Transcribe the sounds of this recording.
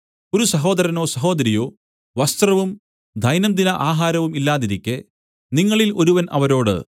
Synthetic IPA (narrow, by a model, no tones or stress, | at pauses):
oɾusɐɦo̞ːd̪ɐɾɐnoːsɐɦo̞ːd̪ɐɾijo̞ː | ʋɐst̪rɐʋum | d̪ʱɐjnɐmd̪inɐʔaːɦaːɾɐʋumilːaːðiɾikʲːe | niŋːɐɭilo̞ɾuʋɐnʔɐ̰ʋɐɾo̞ːɽɨ̰